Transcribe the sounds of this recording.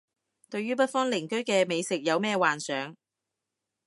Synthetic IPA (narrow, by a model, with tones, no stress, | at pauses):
t̪ɵ˧ɥyː˥p̬ɐ˥t̚fɔː˥ŋlɪ˨˩ŋkɵ˥ɥkɛː˧me˨˧jsɪ˨k̚jɐ˨˧wmɛː˥˧waː˨nsœː˨˥ŋ